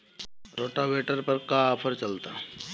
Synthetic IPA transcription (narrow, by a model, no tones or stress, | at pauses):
ɾoːʈaʋeːʈəɾpɐɾkaːpʰəɾt͡ʃɐlt̪a